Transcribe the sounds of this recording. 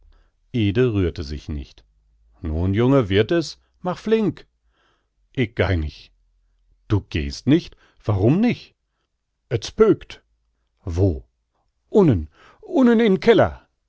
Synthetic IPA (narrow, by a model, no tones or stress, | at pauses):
ʔeːdəʁyːɐtəzɪçnɪ̰çt | nuːnjʊŋəvɪɐtɛs | maχflɪŋk | ʔɪk̚ɡ̥a̰ɪnɪç | d̥uːɡ̥ḛːstnɪçt | v̥aʁʊmnɪçt | ʔət͡spøːkt | voː | ʔʊnən | ʔʊnənɪnkʰɛlɐ̰